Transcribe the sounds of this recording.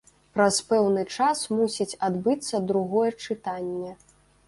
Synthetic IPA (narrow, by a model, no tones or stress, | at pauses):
pɾɐspɛwnɨt͡ʂasmusʲit͡sʲad̪bɨt̪sːɐd̪ɾuɣɔjɛt͡ʂɨt̪anʲːɛ